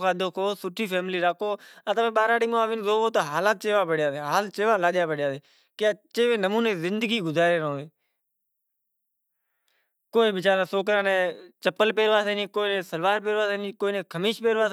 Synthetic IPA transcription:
kaːd̪oːkoːsʊʈʰiːpʰeːmliːɾaːkoːat̪əʋẽːɓaːɾaːɽiːmõːaːʋɪnzoːɦoːt̪oːɦaːlaːt̪̚t͡ʃeːʋaːpəɽjaːdeːɦaːlt͡ʃeːʋaːlaːɗjaːpəɽjaːd̪eː | kɪaːt͡ʃeːʋẽːnəmuːnẽːzɪnd̪əɡiːɡʊzaːɾeːɾõːeː | koːiːʋɪt͡ʃaːɾãːsoːk̬ɾãːnẽːt͡ʃəpəlpeːɾʋaːseːnĩːkoːinẽːsəlʋaːɾp̬eːɾʋaːseːnĩːkoːinẽːkʰəmiːʃpeːɾʋaː

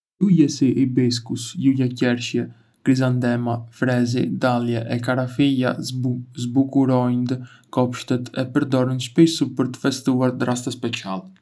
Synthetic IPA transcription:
jujɛsiʔibis̬kusjujacɛɾʃjɛ | kɾizand̪ɛmafɾɛzid̪aljɛʔɛkaɾafija̰zbukuɾɔjnd̪ə | kɔpʃt̪ɛt̪ʰɛpəɾd̪ɔɾinʃpisupəɾt̪ə̥fɛst̪uaɾd̪ɾast̪əspɛt͡sialɛ

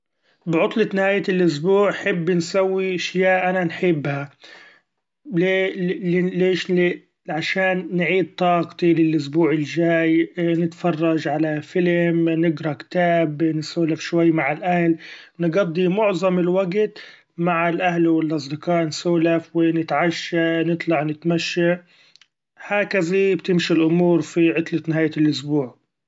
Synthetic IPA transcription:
bɪʕʊt̪ˤlɪt̪nɪhaːjalʔʊs̬buːʕħɪbːnsawːiʔaʃjaːʔʔananħɪbːha | le | leːʃ | ʕaʃaːnːʕiːd̪̚t̪ˤɑːɡt̪ˤilɪlʔʊsbuːʕɪlʒaːjnɪt̪fɑrˤːɑd͡ʒʕalafɪlmnɪɡɾˤɑkt̪aːbnsuːlafʃwajːmaʕɪlʔahlnɡɑd̪ˤːimʊʕðˤɑmɪlwaɡt̪ | maʕɪlʔahlwɪlʔɑs̬ˤd̪ɪqɑːʔnsuːlafwɪnɪt̪ʕaʃːanɨt̪ˤlɑʕnɪt̪maʃːa | haːkazibt̪ɪmʃilʔʊmuːɾfiʕɪt̪ˤlat̪nɪɦaːjalʔʊsbuːʕ

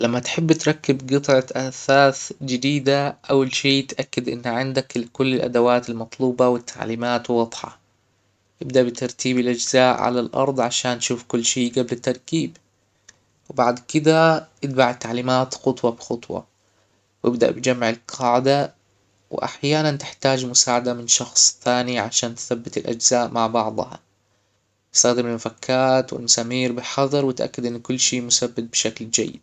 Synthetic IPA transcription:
lamːat̪ħɪbːt̪ɾˤɑkːɪbɡɨt̪ˤʕɑʔaθaːθd͡ʒɪd̪iːd̪aʔawːalʃiːt̪ʔakːad̪ʔɪ̰nːʕɪnd̪aklkʊlːɪlʔa̰d̪awaːt̪almɑt̪ˤluːbɑwɪt̪ʰːa̰ʕliːmaːt̪wɑd̪ˤħɑ̰ | ʔɪbd̪aʔbɪt̪ɑɾˤt̪ʰiːbɪlʔɪd͡ʒzaːʔʕa̰lalʔɑ̰ɾˤd̪ˤʕaʃaːnːʃuːfkʊlːʃiːɡablɪt̪ːɑɾˤkiːb | wɪbaʕd̪kɪd̪aʔɪt̪baʕt̪ːaʕliːmaːt̪xʊt̪ˤwɑbxʊt̪ˤwɑ̰ | wʔɪbd̪a̰ʔbɪd͡ʒamːʕɪlqʰɑːʕd̪a | wʔa̰ħjaːnant̪ɪħt̪aːd͡ʒmʊsaːʕad̪amɪnʃɑxsˤθaːniʕaʃaːnt̪θabːɪt̪ɪlʔa̰d͡ʒz̥aːʔmaʕbɑʕd̪ˤhɑ̰ | ɪ̥st̪aɣd̪ɪɾmɪmafakʰːaːt̪wɪ̰lmʊsamiːɾbɪħɑðˤɑɾwɪt̪ʔa̰kːad̪ʔɪnːkʊlːʃiːmʊsabːɪt̪̚bɪʃakld͡ʒa̰jːɪ̰d̪

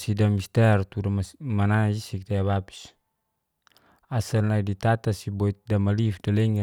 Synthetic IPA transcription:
sidamist̪ɛrt̪uɾamanaisikt̪aaβapi̥s | asanlaidit̪at̪asibɔit̪̚damalifdalɛŋa

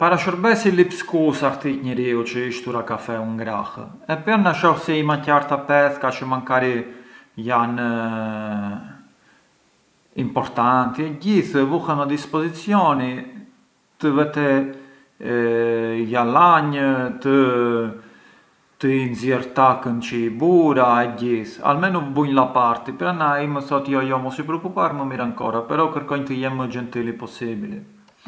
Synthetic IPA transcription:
paɾaʃəɾbɛsilipskusakt̪iɲəɾiut͡ʃəiʃt̪uɾakafɛuŋɡɾah | ɛpɛɾnaʃɔxsiimacaɾt̪apɛθkat͡ʃəmaŋkaɾijan | impɔɾt̪ant̪iɛɟiθvuhɛmɛd̪ispɔzit͡sjɔni | t̪əvɛt̪ɛ | jalaɲət̪ə | t̪əinzjɛɾt̪akənt͡ʃəbuɾaɛɟiθa̰lmɛnubuɲlapaɾt̪ipɾanaiməθɔt̪jɔjɔmɔsipɾɔkupaɾməmiɾaŋkɔɾapɛɾɔkəɾkɔɲt̪əjɛmmːəd͡ʒɛnt̪ilipɔsibili

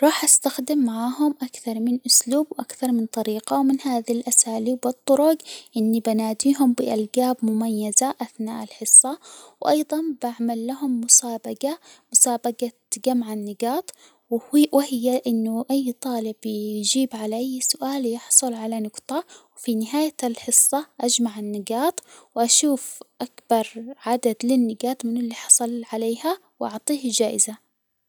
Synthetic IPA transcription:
ɾˤɑːħʔast̪axd̪ɪmːaʕaːɦʊmʔakθɑɾˤmɪnʔʊsluːbwʔakθɑɾˤmɪnt̪ˤɑɾiːqɑwmɪnhaːðilʔasaːliːbɨt̪ˤːʊɾʊɡʔɪnːibɪnaːd̪iːɦʊmbɪʔalɡaːbmʊmajːazaʔaθna̰ːʔalħɪsˤːɑwʔɑjðˤɑnbaʕmalːaɦʊmːʊsaːbaɡamʊsaːbaɡa | ɡamʕanːɪɡɑːt̪ˤ | wwʔɪhɪjːaʔɪnːʊʔajːt̪ˤɑːlɪbjd͡ʒiːbʕalaʔajːsʊʔaːljɪħsˤʊlʕalanʊɡt̪ˤɑwfinɪɦaːjalħɨsˤːɑʔad͡ʒmaʕanːɪɡaːt̪wɪʔaʃuːfʔakb̥ɑɾˤʕad̪ad̪lɪnːɪɡaːt̪ˤmɪnɪlːiːħɑ̥sˤɑlʕaleːha | wʔɑʕt̪ˤiːhd͡ʒaːʔɪza

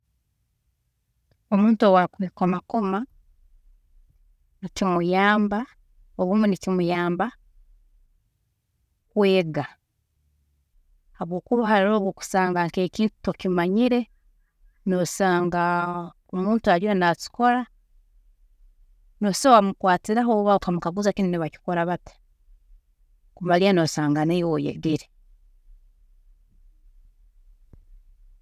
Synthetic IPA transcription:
omuːntuowakuikomakoma | nicimujaːmba | oβumenicimujaːmba | kweːɡa | haβwo̞ːkuβaɦaɾiɾo̞ːβwoku̥saːŋɡaŋkekiːntu̥tokimaɲiɾe̞ | nosaːŋɡa | omuːntuaɾianasi̥ko̞ɾa | nosowamukwaːtiɾaɦoβaokamukaɡuzakininiβaci̥ko̞ɾaβati̥ | kumalianosaːŋɡanewojḛɡiɾe

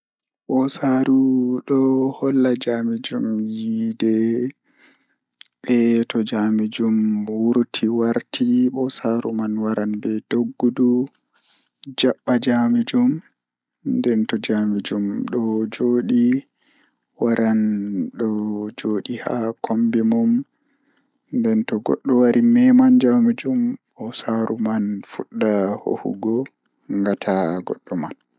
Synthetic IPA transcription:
ɓɔsaɾuɗɔhɔlːad͡ʒamid͡ʒumjiidɛ | ɓɛtɔd͡ʒamid͡ʒumwuɾtʰiwaɾtʰiɓɔsaɾumanwaɾanbɛdoɡːudu | d͡ʒaɓːad͡ʒamid͡ʒum | ndɛntɔd͡ʒamid͡ʒumɗɔd͡ʒoːɗi | waɾʔanɗɔd͡ʒoːɗiha̰kʰombimum | ndɛntɔɡɔ̰ɗːɔwaɾimɛmand͡ʒamid͡ʒumɓɔsaɾumanfuɗːaho̰hṵɡɔ | ŋɡatʰaɡɔ̰ɗːɔman

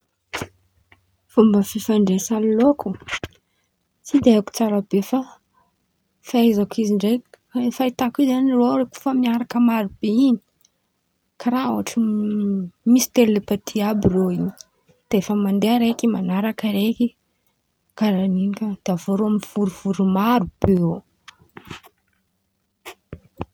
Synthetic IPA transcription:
fumbəfifaɳɖ͡ʐesalloku | t͡sid̪eaku̥t͡saɾabefa | faajzakiziɳɖ͡ʐej | fait̪akizaniroɾeku̥famiaɾakəmaɾub̥eiɲi̥ | kʰaɾauaʈ͡ʂi | misi̥t̪elulepat̪ʰiabiroiɲi̥ | t̪eefəmand̪eaɾekimanaɾakəɾeki | kaɾaninikəd̪̥avoɾoaminv̥uɾuv̥uɾumaɾub̥eo

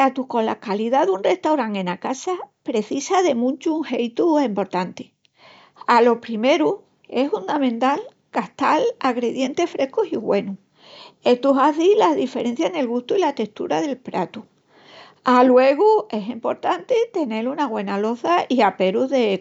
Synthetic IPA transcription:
at̪uko̞nlakaliðaðunre̞ht̪awɾaŋẽ̞nakasapɾe̞θisaðe̞mũnt͡ʃuŋhe̞jt̪uempo̞ɾt̪ant̪e | alo̞pɾime̞ɾu | e̞sfund̪amẽnt̪al | kaht̪alaɣɾe̞ðje̞nt̪e̞fɾe̞hkosiɣwe̞nu | et̪uɦaθilaðife̞ɾe̞n̟θjaene̞lɣust̪uilat̪e̞ht̪ṵɾaðe̞lpɾa̰t̪u | alwe̞ɣ̞ue̞sempo̞ɾt̪ant̪et̪e̞ne̞lunaɣwe̞nalo̞θaiape̞ɾuðe

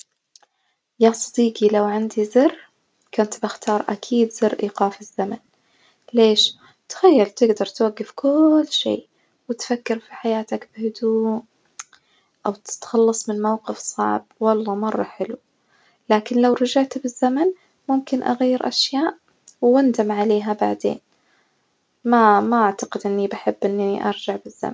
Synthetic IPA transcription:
jaːsˤɑd̪iːqilawʕand̪izɪr | kʊnt̪baxt̪ɑːɾˤʔakʰiːd̪zɪrːʔiːqɑːfɪzːaman | leːʃ | t̪xajːalt̪ɪɡd̪ɑɾˤt̪waɡːɪfkʊlːʃḛː | wɪt̪fakːɪɾfiħajaːt̪akbɪhʊd̪uːʔ | ʔawt̪ɪ̥t̪xɑlːɑsˤmɪnmawqɪfsˤɑ̰ʕb̚wɑlˤːɑːmɑrˤːɑħɪlu | laːkɪnlawɾˤɑd͡ʒaʕt̪bɪzːaman | mʊmkɪnʔa̰ɣajːɪɾʔa̰ʃjaːʔ | wːand̪amʕaleːɦaba̰ʕd̪ḛːn | mamaʔaʕt̪aqɪd̪ʔɪnːibaħɪbːʔɪnːiʔɑ̰ɾˤd͡ʒaʕbɪzːa̰man

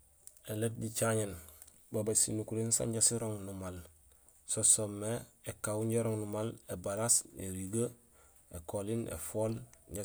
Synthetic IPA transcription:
elet̚ɟit͡ʃaɲen | babasinukuɾinsa̰ɲɟasiɾoŋnumal | sosomːeekawuɲɟeɾoŋnumalebaɾasḛɾiɡa | ekolinḛfolɲɟa

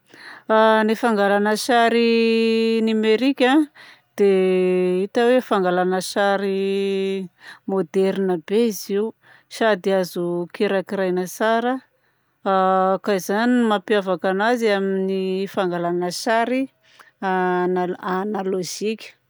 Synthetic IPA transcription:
anifaŋɡalanəʃaɾi | nimeɾikʲã | d̪̥e | it̪awefaŋɡalanəʃaɾi | mod̪ɛɾinəbeiziu | sad̪iazukeɾakiɾajnəsaɾə | kaizanimapiavakanaziaminifaŋɡalanəʃaɾi | anaanaloʒ̥ikʲə̥

